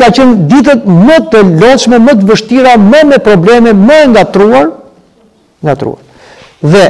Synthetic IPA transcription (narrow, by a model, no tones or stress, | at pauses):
kat͡ɕənd̪it̪̬ət̪̚mət̪əlɔʃmɛmət̪̬əvəʃt̪iɾaməmɛpɾɔblɛmɛməɛŋɡat̪ɾuaɾ | ŋɡat̪ɾṵaɾ | ðɛ